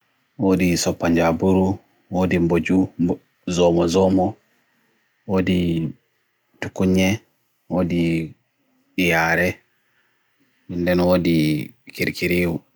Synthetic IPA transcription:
woːdisɔpːaɲd͡ʒabuɾu | woːdimbod͡ʒu | zɔmɔzɔmɔ | woːdi | tukuɲːɛ | woːdi | ɓijaɾɛ | mindɛnwoːdikiɾkiɾiwu

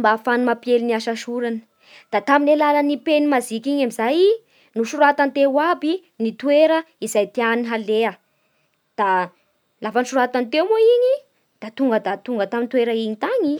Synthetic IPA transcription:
mbaːfanumapjeliniaʃaʃuɾanə̥ | d̪̥at̪aminelalanipenimazikʲiɲamizaj | nuʃuɾat̪ant̪ewabi | nit̪ueɾə | izajt̪eaniiɦaleə | d̪̥a | lafaniʃuɾat̪ant̪ewmoiɲi | d̪̥at̪uŋɡəd̪at̪uŋɡət̪amint̪weɾəiɲit̪aɲi

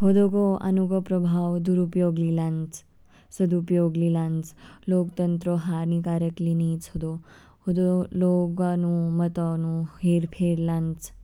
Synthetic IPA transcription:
hod̪okoa̰nuɡɔpɾəbʱawd̪uɾupjoɡlilãnt͡s | səd̪upjoɡlilãnt͡slokt̪ənt̪ɾɔɦaɾnikaɾəklinit͡shod̪o | hod̪oloɡanumət̪anuheɾpʰeɾlãnt͡s

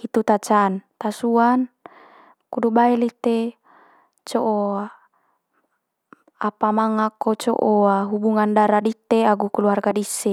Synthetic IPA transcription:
hit̪ut̪at͡ʃant̪asuan | kudubaɛlit̪e | t͡ʃoʔo | apamaŋakːot͡ʃɔ̰ʔoaɦubuŋandaɾadit̪eaɡukuluarɡadisːe

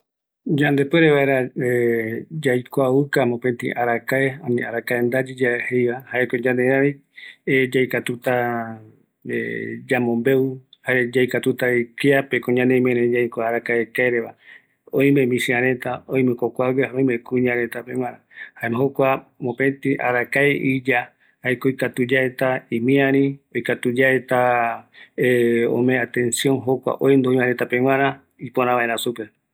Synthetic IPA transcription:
d͡ʒand̪epweɾeβaeɾaed͡ʒajkʷaβɨkamõpent̪ḭ̃ʔaɾakaeanĩaɾakaend̪ad͡ʒid͡ʒaehejβahaekod͡ʒãneɾaĩ | ed͡ʒajkat̪ut̪a | ḛd͡ʒamõmbe̞uhaed͡ʒajkat̪ut̪aekeapekõɲãnemẽɾed͡ʒajkʷaaɾakaekaeɾeβa | ojmẽmĩsiãɾẽ̞t̪aoj̃mɨ̃kokʷaɡehaõjmekuɲãɾet̪apẽw̃ʷãɾãhaemɦokʷamõpẽt̪ĩʔa̰ɾakaeʔid͡ʒa | ajkojkat̪ud͡ʒaet̪aĩmĩãɾ̃ĩojkat̪ud͡ʒaet̪a | eo̰mẽat̪ẽ̞nsjõ̞nɦokʷa̰ʔojnd̪oĩmãɾẽt̪apeŋ̃ʷãɾ̃ã | ipoɾ̃ãβaeɾãsupe̞

